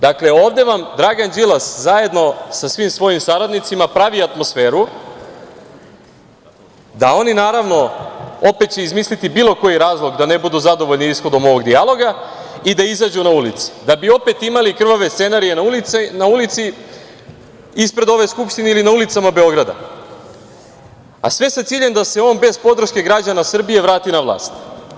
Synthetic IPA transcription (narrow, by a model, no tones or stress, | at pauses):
d̪akle̞o̞ːʋd̪e̞ʋamd̪ɾaːɡand͡ʑilˠaszaje̞d̪no̞sasʋimsʋo̞jimsaɾad̪nit̪simapɾaʋiat̪mo̞sfe̞ːɾu | d̪ao̞ninaːɾaʋno̞o̞pet̪̚t͡ɕe̞izmislit̪ibilˠo̞ko̞jiɾaːzlˠo̞ɡd̪ane̞bud̪uzad̪o̞ʋo̞ʎniisxo̞d̪o̞mo̞ʋo̞ɡd̪ialˠo̞ɡa | id̪aizad͡ʑunaulit̪si̥d̪abio̞pe̞t̪imalikr̩ʋaʋest̪se̞naɾije̞nanaulit̪si | ispɾe̞d̪o̞ʋo̞jskupʃt̪ineilinaulit̪samabe̞o̞ɡɾad̪a̰ | a̰sʋe̞sat̪siːʎe̞nd̪ase̞o̞ːnbe̞zpo̞d̪ɾ̩ʃke̞ɡɾad͡ʑanasr̩bije̞ʋɾaːt̪inaʋlˠa̰ːst̪